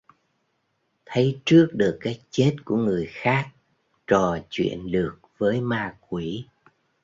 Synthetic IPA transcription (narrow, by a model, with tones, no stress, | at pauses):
t̪ʰə˨˦jt͡ɕɨ˦˥ək̚ɗɨ˨˩əkːaː˨˦˥jk̚t͡ɕe˦˥t̚ku˧˩əŋɨ˨˩əjxaː˦˥k̚ | t͡ɕɔ˨˩t͡ɕwḭ˧˨ənlɨ˨˩ək̚vəː˨˦jmaː˧k̚wi˧˩˦